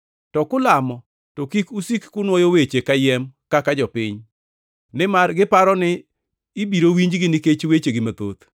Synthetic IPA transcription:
tɔkʊlamɔ | tokikusikːʊnwojowet͡ʃekajɛmkakad͡ʒɔpɪɲ | nɪmarɡɪpaɾɔnɪː | biɾowiɲd͡ʒɡɪnɪket͡ʃwet͡ʃeɡɪmat̪o̰t̪

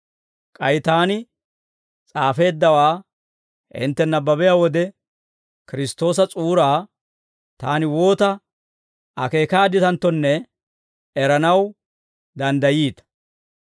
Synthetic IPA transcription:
kʼɐjɪt̪aːnɪ | t͡sʼaːfe̞ːd̪ːɐwaː | hɪ̰nt̪ːɛnːɐbɐbɛjaːwɔd̪ɛ | kɪɾɪst̪o̞ːs̬ɐt͡sʼuːɾaː | t̪aːnɪwo̞ːt̪ɐ | ɐke̞ːkaːd̪ɪt̪ɐnt̪ːɔnːɛ | ɛɾɐnɐw | d̪ɐnd̪ɐjiːt̪

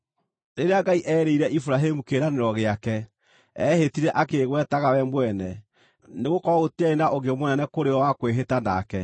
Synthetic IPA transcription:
eɾeaɡaiʔɛːɾeiɾɛʔifuɾaɦemukeɾaneɾɔɣeakɛ | ɛhetiɾɛʔakeɣwɛtaɣawɛmwɛnɛ | neɣokɔɔɣoteaenaʔoɣemwɛnɛnɛkoɾeɔwakweɦetana̰kɛ

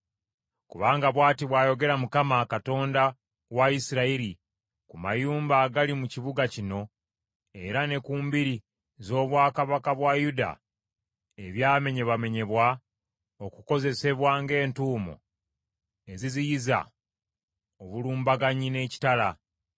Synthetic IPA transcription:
kuβaːŋɡaβwaːtiβwaːjo̞ɡe̞ɾamukamakato̞ːnda | waisiɾaiɾi | kuma̰juːmbaːɡalimuciβuɡacino̞ | e̞ɾane̞kuːmbiɾi | zo̞ːβwaːkaβakaβwajuda̰ | e̞βjaːme̞ɲe̞βame̞ɲe̞βwa | o̞kuko̞ze̞se̞βwaːŋɡe̞ːntuːmo̰ | e̞zizijiza̰ | oβuluːmbaɡaɲine̞ːci̥tala

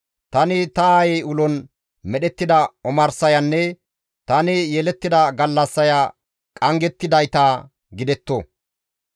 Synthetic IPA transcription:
t̪ɐnɪt̪ɐaːjɛjʊlɔn | mɛɗɛt̪ːɪd̪ɐɔmɐɾsɐjɐnːɛ | t̪ɐnɪjeːlɛt̪ːɪd̪ɐɡɐlːɐsːɐja | kʼɐŋɡɛt̪ːɪd̪ɐjt̪aː | ɡɪd̪ɛt̪ːo

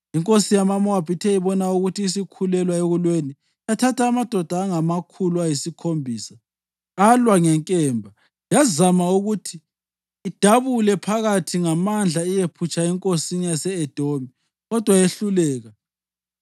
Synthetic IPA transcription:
iŋkʼosijamamɔab̥ʱitʰɛiβɔnauɣutʰiːsikʰulɛlwaeɣulweni | atʰatʰaːmad̥ʱɔd̥ʱaːŋamakʰuluajisikʰombʱiːsa | alwaŋɛŋkʼɛːmbʱa | jazamauɣutʰiː | d̥ʱaβulɛpʰaɣatʰiŋamand͡ɮʱaijepʰut͡ʃʼaɛŋkʼosinijasɛɛd̥ʱomi | ɣɔd̥ʱwajeɬulɛːɣa

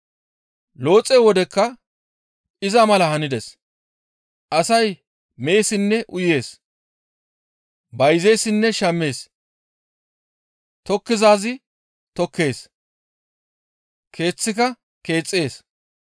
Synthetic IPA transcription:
lo̞ːt͡sʼːewɔd̪ɛkːɐ | ɪzɐmɐlɐhɐnɪd̪ɛs | ʔɐsɐj | me̞ːsɪnːɛʔʊje̞ːs | bɐjze̞jsɪnːɛʃɐmːe̞ːs | t̪ɔkːɪzaːzɪ | t̪ɔkːe̞ːs | kʰe̞ːt͡sːɪk̬ɐ | ke̞ːt͡sʼːe̞ːs

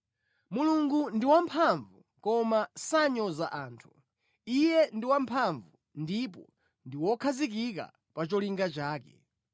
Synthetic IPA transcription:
muluŋɡundiwampʰaɱvu | kɔmasaɲɔzaʔaːntʰu̥ | ijɛndiwampʰaɱvu | ndipɔ | ndiwɔkʰazik̬ika̰ | pat͡ʃɔliŋɡat͡ʃaːkɛ

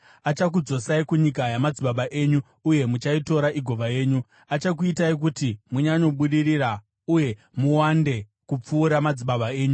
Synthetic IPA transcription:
at͡ʃak̬ud͡zo̞saikuɲikajamad͡ziɓaɓaʔe̞ːɲu | uje̞mut͡ʃaito̞ɾaʔiɡʱo̞ʋaje̞ːɲu | at͡ʃakuitaik̬utimuɲaɲo̞ɓuɗirira | uje̞ | muwande̞ | kup͡fuːɾamad͡ziɓaɓae̞ːɲu

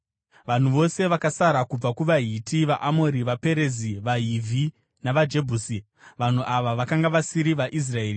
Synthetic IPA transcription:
ʋan̤uʋo̞se̞ʋakasaɾakub͡vakuʋaɦitʰiʋaʔamo̞ɾiʋape̞ɾe̞ziʋaɦivʱi | naʋad͡ʒe̞bʱuːsi | ʋan̤uʔaʋaʋakaŋɡaʋasiɾiʋaʔis̬rae̞ːri

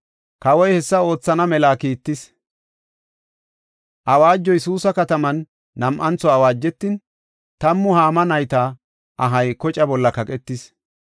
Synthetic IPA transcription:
kɐwɔjhɛsːɐo̞ːt͡sːɐnɐmɛlaːkiːt̪ːɪs | ʔɐwaːd͡ʒːɔjɛsuːsɐkɐt̪ɐmɐnː | ɐmʔɐnt͡sːɔɐwaːd͡ʒːɛt̪ːɪn | t̪ɐmːʊhaːmɐnɐjt̪ɐ | ʔɐɦɐjkɔt͡ʃʼɐbɔlːɐkɐkʼɛt̪ːɪs

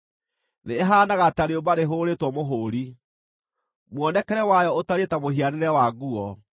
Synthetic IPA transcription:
neːɦaːnaɣataɾeobaɾeɦoːɾetwɔmoɦoːɾi | mwɔnɛkɛɾɛwajɔotaɾetamoɦianeɾɛwaɣuɔ

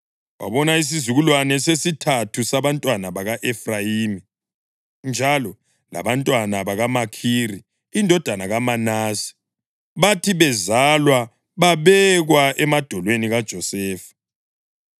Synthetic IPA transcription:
wʔa̰βɔnais̬izuɣulwanɛsesitʰatʰusaβantʼwanaβaɣaʔɛfrajiːmi | nd͡ʒʱalɔ | la̰βantʼwanaβaɣamakʰiriː | ndʱɔd̥ʱanaɣamanaːsi̥ | βatʰiβɛzalwa | βaβɛɣwaʔɛmad̥ʱɔlweniɣad̥ʒ̥ʱɔsɛːfḁ

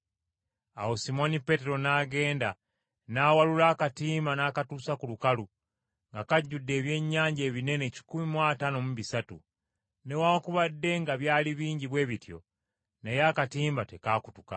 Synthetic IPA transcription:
a̰wosimo̞nipe̞te̞ɾo̞naːɡe̞ːnda | naːwalulaːkatiːmbanaːkatuːsakulukalu | ŋɡakaɟːudːe̞ːβje̞ɲːaːɲɟe̞ːβine̞neci̥kumimwaːtano̞muβisatṵ | ne̞waːkuβadːe̞ŋɡaβjaːliβiːɲɟiβwe̞ːβitjo̞̰ | nejaːkatiːmbate̞kaːkutuka̰

